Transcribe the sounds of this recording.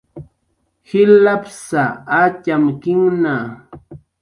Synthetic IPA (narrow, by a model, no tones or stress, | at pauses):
hɪlapsaat͡ʃamkɪŋna